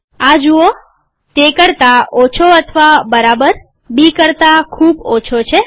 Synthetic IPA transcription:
ad͡ʒuo | t̪ekəɾt̪aot͡ʃʰoət̪ʰəʋabəɾabəɾ | bikəɾt̪akʰubot͡ʃʰot͡ʃʰe

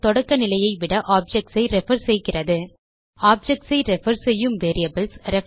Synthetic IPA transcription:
t̪ɔɽɐkːɐnɪlɐjɐɪʋɪɽɐʔaːp̚d͡ʒɛk̚ʈsɐɪɾɛfɐɾsɛjkɪrɐðɯ | aːp̚d͡ʒɛk̚ʈsɐɪɾɛfɐɾsɛjːɯmʋeːɾɪɐbɐlsɾɛ

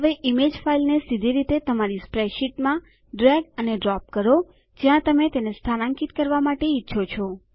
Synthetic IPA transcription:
ɦəʋeʔimed͡ʒfailnesid̪ʱiɾit̪et̪əmaɾispɾeʃiʈmã | ɖɾɛɡəneɖɾɔp̚kəɾo | d͡ʒjãt̪əmet̪enest̪ʰanãŋkit̪kəɾʋamaʈeitːʃʰot͡ʃʰo

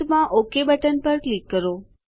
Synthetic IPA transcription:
mãʔokebəʈənpəɾklikːəɾo

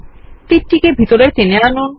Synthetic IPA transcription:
t̪iɾʈikebʱit̪oɾeɾt̪eneanun

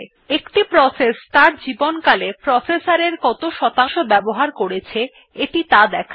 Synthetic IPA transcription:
ekʈipɾɔsest̪aɾd͡ʑibonkalepɾɔsesaɾeɾkɔt̪oʃɔt̪aŋʃobɛboɦaɾkoɾet͡ɕʰe | eʈit̪ad̪ɛkʰa

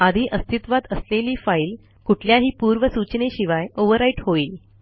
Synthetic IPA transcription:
ad̪ʱiːʔəst̪ʰit̪ʋat̪əsleliːfaiːl | kuʈʰljaɦiːpuɾʋəsut͡ɕəneɕiʋajoʋəɾaiʈɦoiːl

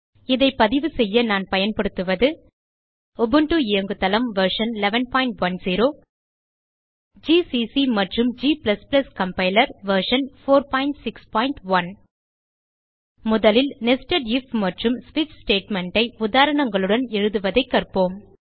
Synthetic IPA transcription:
ɪðɐɪpːɐðɪʋɯsɛjːɐnaːnpɐjɐnpɐɽɯt̪ːɯʋɐðɯ | ɔbɯɳʈuɪjɐŋɡɯt̪ːɐlɐmʋɐɾʂɐnlɛʋɐnpaːɪɳʈʋɐnziːɾoː | d͡ʒiːsisimɐʈrɯmd͡ʒiːplɐsplɐskɐmpɐɪlɐɾʋɐɾʂɐnfoːɾpaːɪɳʈsɪkspaːɪɳʈʋɐn | mʊðɐlɪlnɛsʈɐɖɪfmɐʈrɯmsʋɪt͡ʃsʈeːʈmɛɳɖɐɪʊðaːɾɐɳɐŋɡɐɭɯɽɐnɛɻɯðɯʋɐðɐɪkːɐrpoːm

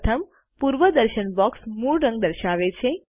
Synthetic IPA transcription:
t̪ʰəm | puɾʋəd̪əɾʃənbɔksmuɭɾə̃ŋɡd̪əɾʃaʋet͡ʃʰe

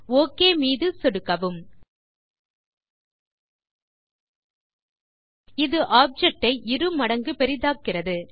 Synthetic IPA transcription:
oːkːeːmiːðɯsɔɽɯkːɐʋɯm | ɪðɯʔaːb̚d͡ʒɛk̚ʈɐɪʔɪɾɯmɐɽɐŋɡɯpɛɾɪðaːkːɪrɐðɯ

